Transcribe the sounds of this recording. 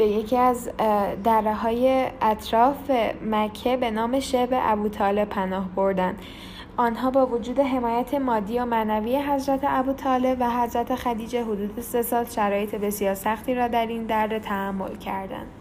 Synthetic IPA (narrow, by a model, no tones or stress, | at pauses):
b̥e̞je̞cʰiæzd̪ærːeɦɒːje̞ʔæt̪ʰɾɒːfemæcʰːebe̞nɒːme̞ʃebe̞ʔæbuːt̪ʰɒːle̞pʰænɒːhbo̞ɾd̪ænd̪̥ | ʔɒːnɦɒːbɒːvod͡ʒuːd̪e̞ɦe̞mɒːjæt̪ʰe̞mɒːd̪ːijomænæviːjeɦæzɾæt̪ʰeʔæbuːt̪ʰɒːle̞bvæɦæzɾæt̪ʰe̞xæd̪iːd͡ʒe̞ɦod̪uːd̪e̞se̞sɒːlʃæɾɒːje̞t̪ʰebe̞sijɒːɾsæxt̪ʰiːɾɒːd̪æɾind̪æɾːe̞t̪ʰæhæmːo̞̰lcʰæɾd̪æ̰nd̪̥